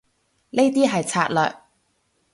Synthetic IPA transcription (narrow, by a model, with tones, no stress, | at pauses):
le˥jt̪iː˥ɦɐ˨jt͡sʰaː˧t̚lœː˨k̚